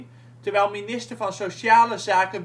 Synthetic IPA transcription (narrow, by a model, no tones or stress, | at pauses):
n | təɹʋɛjlˠminɪstəɹvɑnsoʃaːləzaːkən